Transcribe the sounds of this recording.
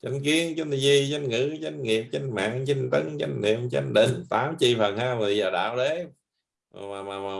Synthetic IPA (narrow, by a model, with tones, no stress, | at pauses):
t͡ɕə˨˧˥ŋ̟ki˨˦ənt͡ɕə˨˦nt̪ʰi˧˩zi˧zə˨˧˥ŋ̟ŋɨ̰˧˥t͡ɕə˧˥ŋ̟ŋi˨˩əp̚t͡ɕə˧ŋ̟ma̰ː˧˨ŋt͡ɕə˧ŋ̟t̪ə˨˦˥ŋt͡ɕə̰˧˥ŋ̟nḭ˧˨əmt͡ɕə̰˧ŋ̟ɗḭ˧˩ŋt̪aː˨˦mt͡ɕḭ˧˨fə˨˩nhaː˧jmɨ˨˩əjzəː˨˩ɗa̰ː˧˨wɗe˨˦˨ | maː˨˩maː˨˩ma˨˩